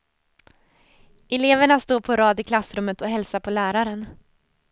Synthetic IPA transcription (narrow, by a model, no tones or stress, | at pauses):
ʔɛleːvəɳast̪oːɾpʰɔɾɑːd̪ɪkʰlasɾɵmːət̪ɔɦɛlsapʰɔlæːɾaɾən